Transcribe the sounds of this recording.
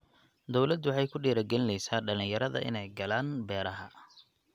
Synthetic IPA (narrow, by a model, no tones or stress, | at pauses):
d̪ɔwlɐd̪wɑħɑjkʰʊɖɛːɾɐɡɛlɪnlɛjsaːɖɐlɪ̃njɐɾɐðɐ̰ʔɪ̰nɛjɡɐlaːnbɛːɾɐɦɐ̰